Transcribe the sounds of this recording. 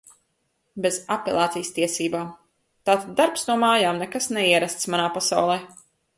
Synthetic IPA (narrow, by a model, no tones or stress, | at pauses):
bezapʲɛlˠaːt̪sijst̪iɛsiːbaːm | t̪aːt̪ad̪ːaɾpsnuɔmaːjaːmnɛkasnɛiɛɾast̪smanaːpasa̰wlˠɛː